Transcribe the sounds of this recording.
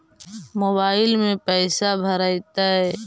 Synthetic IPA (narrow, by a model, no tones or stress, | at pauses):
moːβaːɪlmẽpɛːsabʱəɾaɪt̪aɦɛː